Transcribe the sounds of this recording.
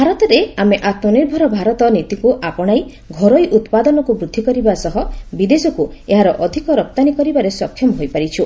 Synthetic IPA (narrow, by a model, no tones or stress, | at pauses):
bʱaɾɔt̪ɔɾeameʔat̪mɔniɾbʱɔɾɔbʱaɾɔt̪ɔnit̪ikuʔapɔɽ̃aj | ɡʱɔɾojʔut̪pad̪ɔnɔkubɾud̪ʱːikɔɾibasɔɦɔbid̪esɔkueɦaɾɔʔɔd̪ʱikɔɾɔp̚t̪anikɔɾibaɾesɔkʰːjɔmɔɦojpaɾit͡ʃʰu